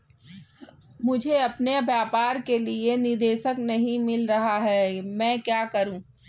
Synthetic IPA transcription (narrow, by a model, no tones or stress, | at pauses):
mʊd͡ʒʱeɐpneɐbjaːpaːɾkelienɪɾd̪eːʃəknɐɦĩmɪlɾɐɦaɦɛmɛ̃ːkjaːkɐɾũ